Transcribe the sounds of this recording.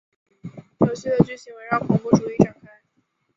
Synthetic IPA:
jo˧˨ʊɕi˥˩d̪ə˨t͡ɕy˥˩ɕi˧˥ŋwe˧˥ɪɻɑ˥˩ŋpʰɔ˧˥ŋpu˥˩ʈ͡ʂu˨˧˩i˥˩ʈ͡ʂa˨˩ŋkʰa˥˩ɪ

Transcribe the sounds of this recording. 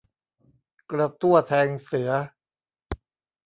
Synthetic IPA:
kɾa˧t̪u˥˩ɐt̪ʰɛː˧ŋsɯ˩˦ɐ

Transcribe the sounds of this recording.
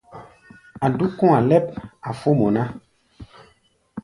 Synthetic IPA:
a˨du˦kɔ̃˦a˨lɛ˦p̚a˨fo˦mɔ˨na˦

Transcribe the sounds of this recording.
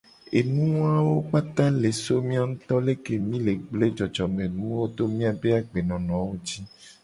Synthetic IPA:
e˨nũ˦a˦wo˦k͡pa˦t̪ã˦le˨so˦mĩ˦a˦ŋũ˦t̪ɔ˦le˦ke˨mĩ˦le˨ɡ͡ble˦d͡ʒɔ˨d͡ʒɔ˨mẽ˨nũ˦wo˦d̪o˦mĩ˦a˨be˦a˨ɡ͡be˨nɔ̃˨nɔ̃˨wo˦d͡ʑi˦

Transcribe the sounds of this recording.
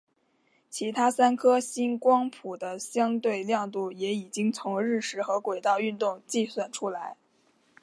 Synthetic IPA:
t͡ɕʰi˧˥t̪ʰa˥sa˥nkʰɤ˥ɕi˥nkwɑ˥ŋpʰu˨˩d̪ə˦ɕjɑ˥ŋt̪we˥˧ɪljɑ˥˧ŋt̪u˥˩jɛ˧˥i˨˩t͡ɕi˥ŋt͡sʰʊ˧˥ŋɻɻ̩˥˩ʂɻ̩˧˥xɤ˧˥kwe˨˩ɪt̪ɑ˥˧ʊy˥˧nt̪ʊ˥˧ŋt͡ɕi˥˩swa˨˩nʈ͡ʂʰu˥la˧˥ɪ

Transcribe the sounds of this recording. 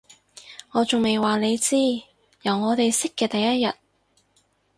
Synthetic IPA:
ŋɔː˨˧t͡sʊ˨ŋme˨jwaː˨˩ne˨˧jt͡siː˥ | jɐ˨˩wŋɔː˨˧t̪e˨jsɪ˥kːɛː˧t̪ɐ˨jɐ˥t̚jɐ˨t̚

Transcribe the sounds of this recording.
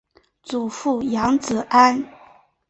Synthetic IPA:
t͡su˨˩fu˥˩jɑ˧˥ŋt͡sɹ̩˨˩ʔa˥n

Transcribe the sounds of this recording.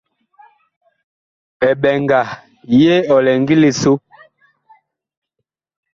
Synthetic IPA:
ɛ˨ɓɛ˨ŋɡa˨ | je˦ɔ˨lɛ˨ŋɡi˦li˨so˦

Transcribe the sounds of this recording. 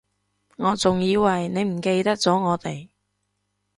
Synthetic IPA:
ŋɔː˨˧˥t͡sʊ˨ŋjiː˨˧wɐ˨jne˨˧jm̩˨˩ke˧jt̪ɐ˥k̚t͡sɔː˨˥ŋɔː˨˧t̪e˨j

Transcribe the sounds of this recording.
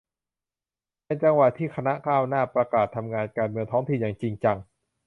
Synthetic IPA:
na˧nt͡ɕa˧ŋwa˨˩t̪ʰːiː˥˩kʰa˧na˦˥kʰaː˥˩wnaː˥˩pɾa˧kaː˨˩t̪ʰːa˧mŋaː˧nkaː˧nmɯ˧əŋt̪ʰɔː˦˥ŋt̪ʰi˨˩njaː˨˩ŋt͡ɕi˧ŋt͡ɕa˧ŋ

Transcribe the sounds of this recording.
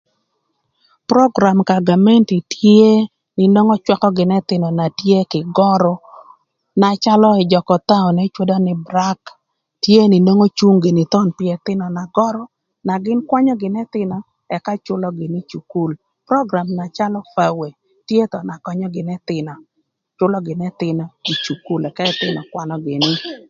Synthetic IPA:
pɾɔ˦ɡɾa˨mka˨ɡa˨mɛ˦nti˨tje˦ | nɪ˨no˦ŋɔ˦t͡ʃwa˦kɔ˦ɡɪ˨nɛ˦t̪ɪ˨nɔ˨na˨tje˦kɪ˨ɡɔ˦ɾɔ˦ | na˨t͡ʃa˦lɔ˦ɛ˨d͡ʒɔ˨kɔ˨t̪a˦ɔ˨nɛ˦t͡ʃwe˦dɔ˦nɪ˦bɾa˦k | tje˦nɪ˨no˦ŋo˦t͡ʃu˦ŋɡe˨nɪ˨t̪ɔ˦npɪɛ˨t̪ɪ˦nɔ˨na˨ɡɔ˦ɾɔ˦ | na˨ɡɪ˦nkwa˦ɲɔ˦ɡɪ˨nɛ˦t̪ɪ˦nɔ˨ | ɛ˨ka˦t͡ʃʊ˦lɔ˦ɡɪ˨ni˦t͡ʃu˨ku˦l | pɾɔ˦ɡɾa˨mna˨t͡ʃa˦lɔ˦fa˦we˨ | tje˦t̪ɔ˨na˨kɔ˦ɲɔ˦ɡɪ˨nɛ˦t̪ɪ˨nɔ˨ | t͡ʃʊ˦lɔ˦ɡɪ˨nɛ˦t̪ɪ˨nɔ˦i˨t͡ʃu˨ku˦lɛ˨ka˦ɛ˦t̪ɪ˦nɔ˨kwa˦nɔ˦ɡɪ˨nɪ˦

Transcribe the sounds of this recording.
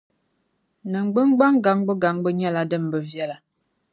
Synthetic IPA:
nə˨ŋ͡m̩˨ɡ͡bə˦ŋ˦ɡ͡ba˦ŋ˦ɡa˨˦ŋbə˦ɡa˨˦ŋbə˦ɲ˦a˦la˨də˦˨m˨bə˨vjɛ˦˨la˨

